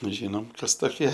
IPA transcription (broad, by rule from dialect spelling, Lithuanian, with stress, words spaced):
ˈʒʲiːnoːm ˈkɐs toːˈkʲiɛ